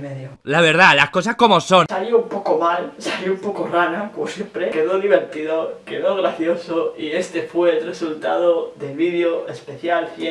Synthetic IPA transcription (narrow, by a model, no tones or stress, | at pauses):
meðjolaβeɾð̞alaskos̬asko̞mosõnsaljoumpo̞komalsaljoumpokoranakomosje̞mpɾeke̞ðoðiβ̞e̞ɾt̪iðoke̞ðoɣ̞ɾaθjo̞soie̞st̪e̞fweːlresult̪a̰ðoðe̞lβið̞joespe̞θjalfje